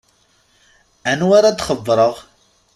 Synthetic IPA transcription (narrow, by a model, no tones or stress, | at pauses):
ænwaɾad̪χəðˤːɾˤəʁ